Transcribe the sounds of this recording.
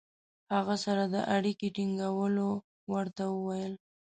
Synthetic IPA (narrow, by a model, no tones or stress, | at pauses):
haɣasaɾad̪ə̰ʔaɽikeʈiŋɡawəlo | wəɾt̪awəwajəl